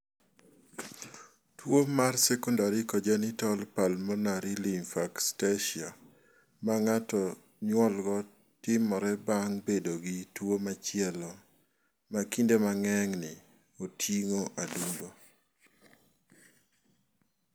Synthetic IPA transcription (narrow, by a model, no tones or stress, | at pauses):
twomarsɛkɔndaɾikɔd͡ʒanɪtɔlpalmɔnaɾilinfakstaʃia | maŋatɔ | ɲwɔlɡɔ | tɪmɔɾɛbaŋbedoɡitwomat͡ʃɪɛlɔ | makindemaŋɛŋnɪ | otʰiŋoʔadundo